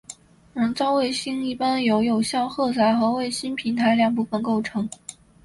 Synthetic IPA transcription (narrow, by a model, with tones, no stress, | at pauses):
ɻə˧˥t͡sɑ˥ʊwe˥˩ɪɕi˥ŋi˥˩pa˥njo˧˥ʊjo˨˩ʊɕjɑ˥˧ʊxɤ˥˩t͡sa˨˩ɪxɤ˧˥we˥˩ɪɕi˥npʰi˧˥nt̪ʰa˧˥ɪljɑ˨˩ŋp̬u˥˩fə˨˩nko˥˩ʊʈ͡ʂʰɤ˧˥ŋ